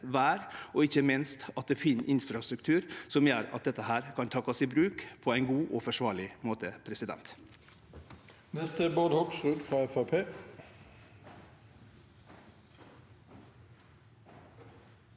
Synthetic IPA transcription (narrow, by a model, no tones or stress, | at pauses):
ʋæːɾɔɪçəmɪnst̪ɑt̪̚d̪efɪnʔɪnfɾɑst̪ɾʉk̚t̪ʰʉːɾsɔmjøːɾɑ̰t̪̚d̪ɛt̪ːəɦæːɾkʰɑnt̪ʰɑkːɑsiːbɾʉːkpʰɔæɪnɡuːʔɔːfɔʂʋɑːɭɪmoːt̪əpʰɾɛsɪd̪ɛ̰nt̪ | nɛst̪əboːd̪hɔksʁʉːd̪fʁɑːɛfæpʰeː